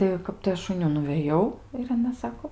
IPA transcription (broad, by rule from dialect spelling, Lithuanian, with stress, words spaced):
tɐɪ ˈkɐp tɐɪ ˈɐʃ ʊn ˈjuː nʊʋʲeːˈjɛʊ ɪr ɐˈnɐ ˈsɑːkoː